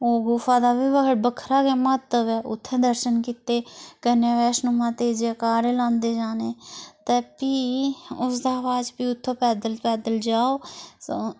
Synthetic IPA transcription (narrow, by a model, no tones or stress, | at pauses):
oːɡuːfaːd̪aːbiːbəkəɽbəkʰɾaːkemət̪əʋɛʔʊ̰t̪ʰːẽːd̪əɾʃənkit̪eːkəneːʋɛːʃnʊmãːt̪ed͡ʒeːkaːɾelãːnd̪eːd͡ʒaːneːt̪epiʊsd̪aːʋaːd͡ʒpiːʊt̪ʰːõːpɛːd̪əlpɛːd̪əld͡ʒaːoːsoː